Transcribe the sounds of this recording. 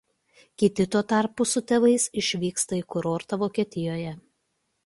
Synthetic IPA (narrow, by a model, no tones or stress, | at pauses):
kʲɪt̪ʲɪt̪uɔt̪ɑˑɾpʊsʊt̪ʲɛʋɐɪsɪʃʲʋʲiːkst̪ɐikʊɾoːɾt̪ɐʋoːkʲiɛt̪ʲɪjoːjɛ